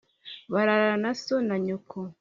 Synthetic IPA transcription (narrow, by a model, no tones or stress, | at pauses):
βaɾaɾanasonaɲukʰo